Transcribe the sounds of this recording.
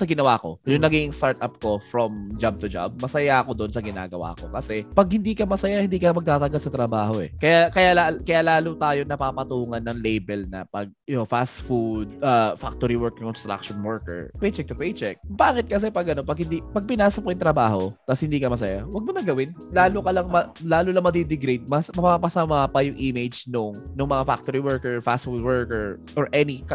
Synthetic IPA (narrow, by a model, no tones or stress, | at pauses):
sɐɡɪnɐwaːko̞̰jʊŋŋnɐɡiɡɪŋst̪aɹt̪ʔap̚ko̞fɾomd͡ʒab̚t̪ʊd͡ʒa̰b̚mɐsɐjaʔɐko̞d̪oʔonsɐɡɪna̰ːɡɐwa̰ːko̞̰kɐsɛpɐɡ̚hɪnd̪iːkɐmɐsɐjahɪnd̪iːkɐmɐɡ̚t̪aːt̪ɐɡalsɐt̪ɾɐbaːɦo̞ʔɛ̰kɐjakɐjalakɐjaːlaːlut̪aːjonɐpaːpɐt̪uːŋɐnːɐŋlejbɛlnɐ̰pɐɡ̚ofast̪fud̪̚ʔafak̚t̪oɾiwɛɹkɪŋkɔnst̪ɾa̰k̚ʃɔnwɛɹkɛ̰ɹpɛjt͡ʃɛk̚t̪ʊpɛjt͡ʃɛk̚baːkɪt̪̚kɐs̬ɛpɐɡɐnopɐɡ̚hɪnd̪ipɐɡ̚pɪnaːsɐp̚kojʊnt̪ɾɐbaːɦo̞t̪ɐshɪnd̪iːkɐmɐs̬ɐjawɐɡ̚monɐɡɐwɪn | laːlʊkɐlɐŋmɐlaːlʊlɐŋmɐd̪id̪ɪɡɾid̪̚mɐsmɐpapɐsɐmaːpɐjʊŋʔimɪd͡ʒnʊŋnʊŋmɐŋafak̚t̪oɾiwɛɹkɛɹfast̪fud̪̚wɛɹkɛɹ | ʔɔɹʔɛnɪkɐ